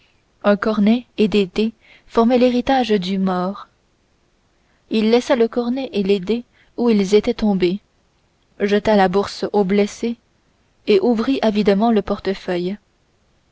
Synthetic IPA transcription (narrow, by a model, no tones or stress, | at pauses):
ɛ̃kɔʁnɛed̪ed̪e | fɔʁmɛleʁit̪aʒd̪ymɔːʁ | ilːɛsaləkɔʁnɛʔeled̪e | uilzet̪ɛt̪ɔ̃be | ʒət̪alabuʁsoblɛse | eʔuvʁiʔavid̪mɑ̃ləpɔʁt̪əfœj